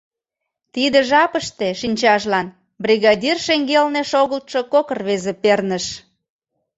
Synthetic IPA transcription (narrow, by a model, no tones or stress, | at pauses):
t̪id̪ə̆ʒɑpəʃt̪e̽ʃinʲt͡ɕɑʒlɑn | brʲiɣɑdʲirʃeŋɡelneʃoɣəlt̪ʃokokərβezepernəʃ